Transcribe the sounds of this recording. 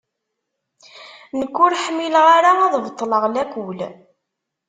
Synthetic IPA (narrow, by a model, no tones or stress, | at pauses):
nəkʷːʊɾħmilʁaɾaæðˤvət̪ˤːləʁlækʷul